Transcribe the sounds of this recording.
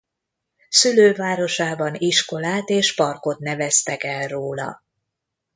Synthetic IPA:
syløːvaːɾo̞ʃaːbɒniʃko̞laːt̪eːʃpɒrko̞t̪nɛvɛst̪ɛkɛlroːlɒ̰

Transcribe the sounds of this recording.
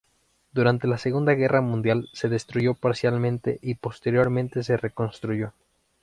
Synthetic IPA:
d̪uɾant̪e̞laseɣund̪aɣe̞rʔamũnd̪jalseðe̞st̪ɾuʝo̞paɾsjalmẽ̞nt̪e̞̰ʔipo̞st̪e̞ɾjo̞ɾmẽnt̪e̞s̬e̞re̞ko̞nst̪ɾuʝo̞

